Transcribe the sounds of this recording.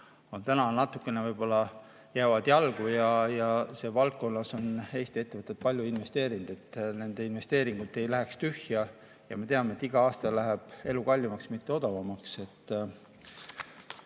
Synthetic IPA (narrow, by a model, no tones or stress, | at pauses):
o̞nt̪ænɑnɑt̪ːˑukːˑe̞nevɤjb̥o̞lːɑ | jæːvɑd̪̥jɑlɡ̥ujɑjɑse̞ːvɑlt̪̚ko̞nːɑso̞ne̞ːst̪ie̞t̪ːe̞vɤt̪ːˑet̪̚pɑlʲjuinve̞st̪e̞ːɾind̪̥e̞t̪ːne̞nd̪̥e̞inve̞st̪e̞ːɾiŋɡ̥ut̪ːˑe̞jlæɦekst̪yhjɑ | jɑme̞t̪eɑmet̪ːiɡ̥ɑɑːst̪ɑlæɦeb̥e̞lukɑlʲːimɑksmit̪ːe̞o̞d̪̥ɑvɑmɑkse̞t̪ːˑ